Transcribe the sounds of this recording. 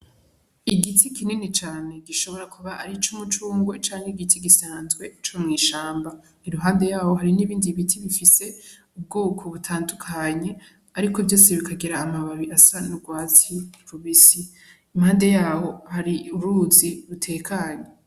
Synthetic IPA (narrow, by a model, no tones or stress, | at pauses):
iɡitʰikininit͡ʃaːne̞ɡiʃo̞βo̞ɾakʰuβaʔaɾit͡ʃumut͡ʃuːŋɡwe̞t͡ʃaːŋeɡitʰiɡisaːnzɡwe̞t͡ʃomŋiːʃaːmba | iɾuɦaːnde̞jaːho̞ɦaɾiniːβiːndiβitʰiβifise̞ | ub̚ɡuːkʰoβutʰaːndukʰaɲe̞ | aɾikovjo̞ːseβikaɡiɾaːmaβaβiʔasanuɡwaːziɾuβisi | imhaːnde̞jaːho̞haɾiuɾuːziɾutʰe̞ːkʰaɲe